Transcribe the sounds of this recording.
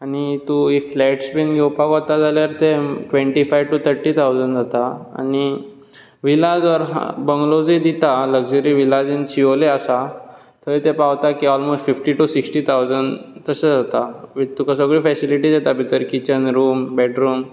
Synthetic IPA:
añit̪uiflɛʈsbinɡʱewpakɔt̪ad͡zaljaɾt̪eʈʋẽɳʈifajʋʈut̪ʰəɾʈiːt̪ʰawd͡zənd͡zat̪aa̰ñi | ʋilad͡zʋəɾɦa̰bəŋɡlod͡zid̪it̪aləɡd͡zəɾiʋilad͡zint͡ɕʰioleasa | t̪ʰəit̪epawt̪akiɔlmosʈfifʈiʈusiksʈit̪ʰawd͡zənt̪əsad͡zat̪aʋit̪ukas̬əɡɭiːfɛsiliʈid͡zet̪abit̪əɾkit͡ɕənɾuːmbɛʈɾuːm

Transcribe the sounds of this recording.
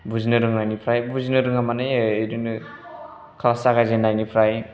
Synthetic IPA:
buzinɯɾɯŋnajnipʰɾajbuzinɯɾɯŋamanɯjeɾɯnɯ | kʰalasaɡazenajnipʰɾaj

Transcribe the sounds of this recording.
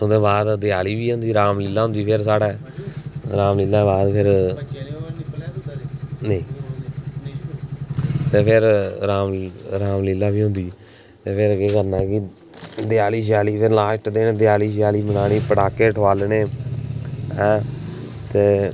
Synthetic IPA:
ʊd̪eːbaːd̪d̪ɪjaːliːʋiːɦʊ̃nd̪iːɾaːmlilːaːɦʊ̃nd̪iːpʰɪɾsaːɽeː | ɾaːmlɪlːaːbaːd̪pʰɪɾ | neĩː | t̪eːpʰɪɾɾaːmɾaːmlilːaːbiːɦʊ̃nd̪iː | t̪eːpʰɪɾɡeːɡənãːkɪ | d̪ɪjaːliːʃ̬ɪjaːliːpʰɪɾlãːʃʈd̪eːneːd̪ɪjaːliːʃɪjaːliːbənaːɽ̃iːpəɽaːkeːʈʰoaːlnẽː | ɦɛ̃ː | t̪eː

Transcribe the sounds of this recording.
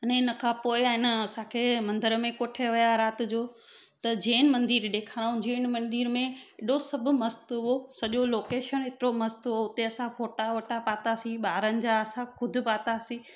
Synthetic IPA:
ɐnɪnə̆kʰãːpoːɪaːɦɪnəɐsãkʰeːmɐ̃nd̪əɾəmẽkoːʈʰeʋijaɾaːt̪d͡ʑoː | t̪ɐd͡ʑeːnɪ̆mɐ̃nd̪iːɾɗ̪eːkʰaːɾaːũd͡ʑeːnmɐ̃nd̪iːɾmẽɪɗosɐbʱʊ̆mɐst̪ɦosɐʄoloːkeːʃənɦɪt̪ɪɾomɐst̪oʊt̪eɐsãfoːʈaʋɐʈapaːt̪asĩɓaːɾənɪ̆d͡ʑaɐsãkʰʊd̪ʱɪ̆paːt̪asĩ

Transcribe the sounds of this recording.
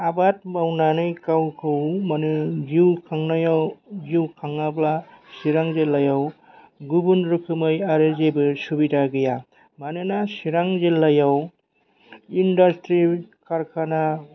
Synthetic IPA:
abat̚mawnanɯjkawkʰɯwmanɯd͡ʒiwkʰaŋnajawziwkʰaŋablasiɾaŋzelːajaw | ɡubunɾukʰɯmɯjaɾezebɯsubidaɡɯja | manɯnasiɾaŋzelːajaw | indastɾikʰaɾkʰana

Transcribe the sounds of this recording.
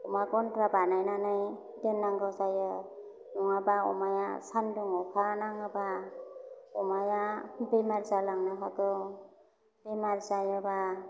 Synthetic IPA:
ɔmaɡɔntɾabanajnanɯj | denːaŋɡazajɯ | nɔŋabaɔ̰majasanduŋɔpʰanaŋaba | ɔmajabimaɾzalaŋnaɦɔtɔ | b̥imaɾzajɯba

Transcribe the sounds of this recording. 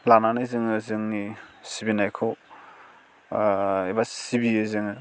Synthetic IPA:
lananɯzɯŋɯzɯŋnisibinajkʰow | ibasibiɯzɯŋɯ

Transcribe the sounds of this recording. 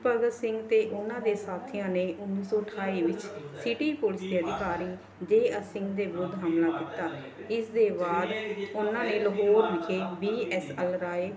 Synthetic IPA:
pəɡəsɪŋɡt̪eːʔʊnãːd̪eːsaːt̪ʰɪjãːneːʔʊnːiːsɔːʈʰaːiːʋɪt͡ʃsiːʈiːpolɪsəd̪ɪkaːɾiː | d͡ʒeːəsɪŋɡd̪eːbɾʊd̪ʱɦaːmlaːkiːt̪aː | ɪsd̪eːbaːd̪ʊnãːneːləɦoːɾʋɪkeːbiːɛːsɛlɾaːeː

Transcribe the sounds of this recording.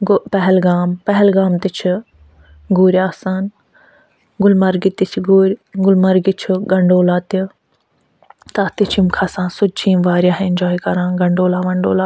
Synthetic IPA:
ɡpɐɦɛlɡaːmpɐɦɛlɡaːmt̪it͡ʃʰi | ɡuːɾjaːsaːn | ɡʊlmɐɾɡit̪it͡ʃʰɡuːɾʲɡʊlmɐɾɡit͡ʃʰiɡɐ̃ɳɖoːlaːt̪i | t̪aːt̪it͡ʃʰimkʰaːsãːnsʊt͡ʃʰiːmʋaːɾjaːɦẽnd͡ʒɔːikɐɾãːɡɐ̃ɳɖoːlaːʋɐ̃ɳɖoːlaː

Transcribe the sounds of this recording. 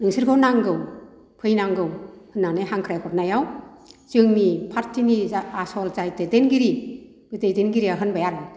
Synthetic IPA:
nɯŋsɯɾkʰɯnaŋɡɯw | pʰɯjnaŋɡɯwhɯnːanejɦaŋkʰɾajkʰɔp̚najawt͡ʃɯŋnipʰaɾtʰiniaasɔlzajtedenɡiɾi | ɡ̥ɯtejdenɡiɾiaɦɯnbajaɾɔ

